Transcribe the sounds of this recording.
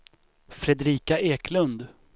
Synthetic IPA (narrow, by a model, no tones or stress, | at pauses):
fɾɛd̪ɾiːkaʔeːkʰlɵnd̪